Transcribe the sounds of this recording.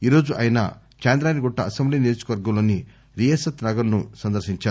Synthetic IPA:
iːɾo̞ːd͡ʒuʔɐjɐnɐ̰ | t͡ʃeːnd̪ɾaːniɡɔʈːɐɐsɐmbliːnijoːd͡ʒu̥ɐkɐʋɐɾɡɐmloːni | ɾijesɐt̪nɐɡɐɾnusɐnd̪ɐɾʃiɲt͡ʃaːɾu

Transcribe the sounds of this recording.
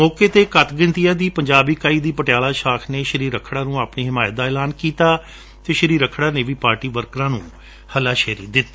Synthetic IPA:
mɔːkeːt̪eːkət̪ɡə̃nt̪ijãːd̪iːpəɲd͡ʒaːbiːkaːiːd̪iːpəʈɪjaːlaːʃaːkʰneːʃəɾiːɾəkʰɽãːnũːaːpniːɦɪmaːjt̪̚d̪aːɛːlaːnkiːt̪aː | t̪eːʃəɾiːɾəkʰːɽaːneːʋiːpaːɾʈiːʋəɾkɾãːnũː | həlaːʃɛːɾḭːd̪ɪt̪ː

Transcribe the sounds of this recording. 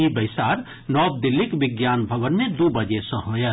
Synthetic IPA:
ibɐɪsaːɾ | nɔːb̚d̪ɪlːikʋɪɡjaːnbʱəʋənːed̪ubəd͡ʒesɐ̃ɦoːja

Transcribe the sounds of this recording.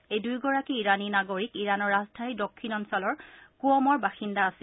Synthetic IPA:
ejdujɡɔɹakiːɹaninaɡoɹikiɹanɔɹazdʱaɹidokʰːinɔnsɔlɔɹkuɔmɔɹbaxindaːsi

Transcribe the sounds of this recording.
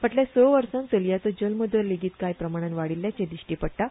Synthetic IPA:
pəʈlesɔʋəɾsãnt͡səljat͡səd͡ʑəlməd̪ʱəɾleɡiːt̪kajpɾəmaɽ̃anʋaɽiljat͡ɕẽd̪iɕʈiːpəɽ̚ʈ̪a

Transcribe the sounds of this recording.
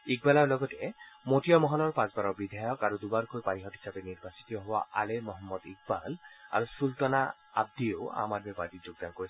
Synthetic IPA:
ik̚balaɹlɔɡɔtemotijɔmɔɦɔlɔɹpãsbaɹɔbid̪ʱajɔkaɹud̪ubaɹkojpaniɦɔtɦi̥sabɛniɹbasi̥t̪ɔɔɦɔba̰ʔa̰lemɔɦɔmːɔd̪ik̚bala̰ɹusult̪ɔna | a̰b̚d̪ioa̰madmɔbadid͡ʒoɡ̚d̪ankoɹis

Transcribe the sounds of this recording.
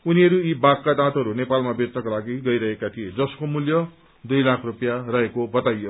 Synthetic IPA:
uniʌɾuibakːad̪ãt̪ʌɾunepalmabet͡snʌkolaɡiɡʌjɾʌɦekat̪ʰijed͡zʌskomuljʌ | d̪ujlakʰrupjarʌɦekobʌt̪ajːo

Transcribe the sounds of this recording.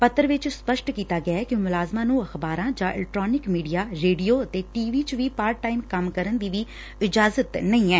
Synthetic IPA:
pət̪ːəɾʋɪt͡ʃspəʃʈkiːt̪aːɡɪaɛːkɪmʊlaːzmãːnũːəxbaːɾãːd͡ʒãːɪ̰lɛk̚ʈɾoːnɪkmiːɖijaːɾeːɖijoːət̪eːʈiːʋiːt͡ʃʋiːpaːɾʈːaːimkəmkəɾənd̪iːʋiː | ɪd͡ʒaːzət̪nəĩːɛː

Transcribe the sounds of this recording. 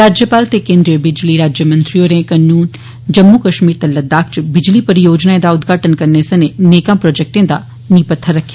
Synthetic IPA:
ɾaːd͡ʒjəpaːlt̪ekẽːnd̪ɾijəbɪd͡ʒliɾaːd͡ʒjəmɐ̃nt̪ɾijoːɾẽkɐnːuːn | d͡ʒɐmːukɐʃmiːɾt̪elːɐd̪aːk̚t͡ʃbɪd͡ʒlipɐɾjoːd͡ʒnaẽd̪aʊd̪ɡʱaːʈənkɐɾneːsẽneneːkãpɾoːd͡ʒek̚ʈẽd̪a | nipɐt̪ʰːəɾɐkʰːija

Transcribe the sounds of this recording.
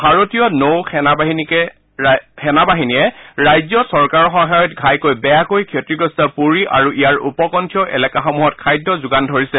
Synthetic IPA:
bʱaɹotijɔnowkʰɛnabaɦinikɛ | xɛnabaɦinijɛɹajzɔsɔɹkaɹɔxɔŋɦajɔtɡʱajkojbɛjakojkʰjotɹiɡɹɔstapuɹiʔa̰ɹuʔijaɹṵpɔkɔntʰijɔʔɛ̰lɛkaxɔmuɦɔtkʰajdʱːɔzʊɡandʱoɹisɛ

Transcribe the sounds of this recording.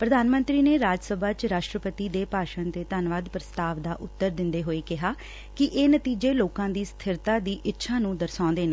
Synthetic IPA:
pɾəd̪aːnmə̃nt̪ɾiːneːɾaːd͡ʒsəbʱaːt͡ʃɾaːʃʈɾəpət̪iːd̪eːpaːʃənt̪eːt̪ənʋaːd̪pɾəst̪aːʋd̪aːʔʊt̪ːəɾd̪ɪnd̪eːɦoːeːkɪɦaː | kɪʔeːnət̪iːd͡ʒeːloːkãːd̪iːst̪ʰɪɾt̪aːd̪iːʔɪtːʃʰaːnũːd̪əɾsãːnd̪eːneː

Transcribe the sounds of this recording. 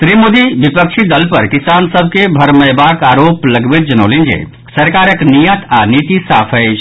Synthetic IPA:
t̪ɾimod̪iʋɪpəkʃʰid̪ɐlpɐɾkɪsaːnsɐb̚ʱkebʱɐɾmɐjbaːkaːɾoːplɐɡbet̪̚d͡ʒɐnoːlẽnd͡ʒḛː | sɐɾkaːɾəknijət̪ʰaːniːt̪isaːpʰə

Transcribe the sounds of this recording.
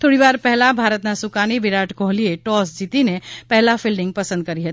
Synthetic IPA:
t̪ʰoːɽibaːɾpɛɦlabʱaːɾət̪nasukanibiɾaʈʰkoɦlieʈɔsd͡ʒit̪inepɛɦlapʰilɖɪ̃ŋɡ̚pəsə̃nd̪̚kəɾiɦət̪i

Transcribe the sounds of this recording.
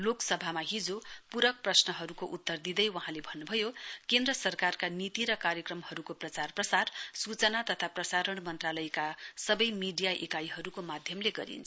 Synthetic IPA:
loksʌbʱamaɦid͡zopuɾʌk̚prʌsnʌɦʌɾukoʔut̪ːʌrd̪id̪ʌjwʌɦãlebʱʌnːubʱʌjokend̪rʌsʌrkarkanit̪iɾʌkarjʌkrʌmhʌɾukoprʌt͡sarprʌsarsut͡sʌnat̪ʌt̪ʰaprʌsaɾʌɽmʌnt̪ralʌjkasʌbʌjmiɖijaʔekajɦʌɾukomad̪ʱjʌmleɡʌ̰ɾḭnt͡sʰ

